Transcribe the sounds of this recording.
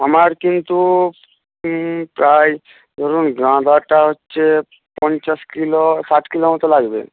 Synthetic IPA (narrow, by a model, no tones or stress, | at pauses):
amaɾkint̪u | pɾaj | d̪ʱoɾunɡɾãd̪ʱaʈaɦotːʃʰe | pɔnt͡ʃaskilosaʈkilomɔt̪ɔlaɡbḛ